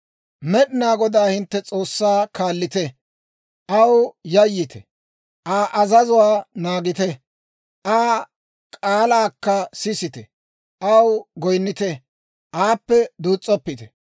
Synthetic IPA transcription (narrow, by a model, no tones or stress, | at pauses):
mɛɗɪnaːɡɔd̪aːhɪnt̪ːɛt͡sʼo̞ːsːaːkaːlːɪt̪ɛ | ʔɐwjɐjːɪt̪ɛ | ʔaːʔɐzɐzʊwaːnaːɡɪt̪ɛ | ʔaː | kʼaːlaːkːɐsɪsɪt̪ɛ | ʔɐwɡɔjnːɪt̪ɛ | ʔaːpːɛd̪uːt͡sʼːɔpːɪt̪ɛ̥